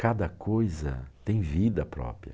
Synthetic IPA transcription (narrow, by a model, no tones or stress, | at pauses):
kad̪ɐkʰojzɐ̰t̪ẽj̃vid̪ɐpɾɔ̰pɾiɐ̰